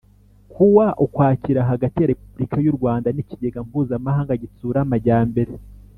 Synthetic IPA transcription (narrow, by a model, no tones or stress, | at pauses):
kʰuwaʔukwaːciɾaɦaɡatijaɾe̞pubɾikajuɾɡwaːndaniciɟeɡampuːzamahaːŋɡaɟit͡suːɾamaɟaːmbe̞ɾe